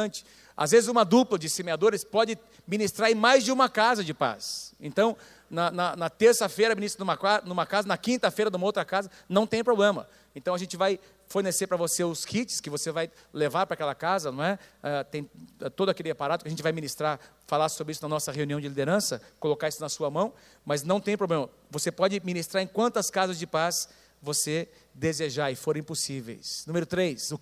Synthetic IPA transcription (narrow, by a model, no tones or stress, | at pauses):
ɐ̃t͡ʃɪ̥ | a̰zvezɪzũmɐd̪uplɐd͡ʒɪsemead̪oɾɪspɔd͡ʒɪ | mĩnist̪ɾaɾẽj̃majzd͡ʒɪũmɐkazɐd͡ʒɪpa̰sḛ̃nt̪ɐ̃w̃ | nɐnɐnɐt̪eɾsɐfejɾɐminist̪ɾɐnũmɐkanũmɐkazɐnɐkĩnt̪ɐfejɾɐd̪ũmɐowt̪ɾɐkazɐnɐ̃w̃t̪ẽj̃pɾoblẽmɐ̰ | ẽnt̪ɐ̃w̃ɐʒẽnt͡ʃɪvaj | foɾneseɾpɾɐvoseʊskʰit͡ʃɪ̥skɪvosevaj | levaɾpɾakɛlɐkazɐnɐ̃w̃ɛɛt̪ẽj̃ɛt̪od̪ʊɐakelɪapaɾad̪ʊkɪɐʒẽnt͡ʃɪvajminist̪ɾaɾ | falasobɾɪisʊnɐnɔsɐheũniɐ̃w̃d͡ʒɪlid̪eɾɐ̃sɐkolokaɾisʊnɐsuɐmɐ̃w̃ | mɐznɐ̃w̃t̪ẽj̃pɾoblẽmɐ | vosepɔd͡ʒɪminist̪ɾaɾẽkwɐ̃nt̪ɐskazɐzd͡ʒɪpas | vose | d̪ezeʒaɾɪfoɾẽposivḛjsnũmeɾʊt̪ɾejsʊ